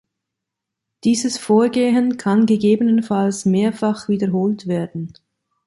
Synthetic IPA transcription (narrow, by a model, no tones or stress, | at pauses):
d̥iːzəsfoːɐɡeːɦənkʰanɡəɡeːbənənfalsmeːɐfaχv̥iːdəɐɦoːltv̥eːɐdn̩